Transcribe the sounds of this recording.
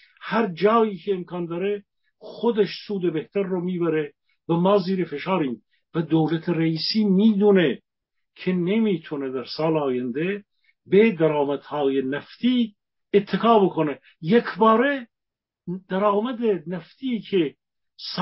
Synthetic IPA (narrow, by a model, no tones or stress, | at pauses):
hæɾd͡ʒɑːiːkʲʰeːmkʰɑːnd̪ɑːɾe | xod̪eʃsuːd̪ebeht̪ʰæɾːomiːbæɾe | væmɑːziːɾefeʃɑːɾiːm | væd̪owlæt̪ʰeɾæiːsiːmiːd̪une | kʰenemiːt̪ʰuned̪æɾsɑːleɑːjænd̪e | bed̪æɾɑːmæd̪̥hɑːjenæft̪ʰiː | t̪ʰːekʰɑːbokʰone | jekʰbɑːɾe | d̪̥æɾɑːmæd̪enæft̪ʰiːkʰe | s